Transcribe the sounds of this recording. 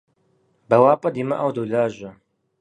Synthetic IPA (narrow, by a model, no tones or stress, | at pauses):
bɐwaːpʼɐdiːmɐʔawduːɮaːʑʷɐ